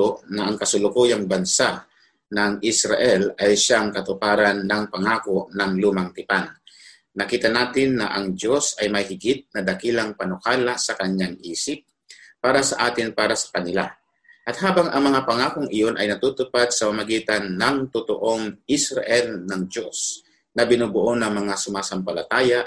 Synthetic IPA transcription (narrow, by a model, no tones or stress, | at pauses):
onɐʔɐŋkɐsʊlʊkuːjaŋbɐnsa | nɐŋʔɪsɾaʔɛlajʃaŋkɐt̪ʊpaːɾanːɐŋpɐŋaːkoʔnɐŋluːmɐŋt̪ɪpanː | ɐkiːt̪ɐnaːt̪ɪnːɐ̰ʔɐŋdo̞sɐjmɐjhɪɡɪt̪̚nɐd̪ɐkilɐŋpɐnʊkaːlasɐkɐɲːaŋʔiːsɪp̚ː | aːɾɐsɐʔaːt̪ɪnpaːɾɐsɐ̥kɐnɪla̰ | ʔɐt̪̚haːbɐŋʔɐŋmɐŋapɐŋaːkoŋɪjo̞nʔɐjnɐt̪uːt̪ʊpad̪̚sɐpamɐɡiːt̪ɐnːɐŋt̪ʊt̪oʔo̞ŋʔɪsɾaʔɛlnɐŋd̪o̞s | nɐbɪnubʊʔonɐŋmɐŋasʊmaːsɐmpɐlɐt̪aːja